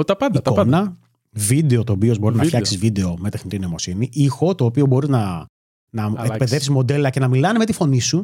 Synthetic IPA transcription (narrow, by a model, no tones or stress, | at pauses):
t̪ɐpɐikonɐ | vid̪e̞o̞t̪o̞ːpio̞zbo̞ɾiznɐfçɐkksizvid̪e̞o̞me̞t̪exnit̪ino̞mosiniixo̞t̪o̞ːpio̞bo̞ɾiznɐ | nɐekpeðefsizmo̞d̪e̞lɐce̞nɐmilɐneme̞t̪ifo̞nisu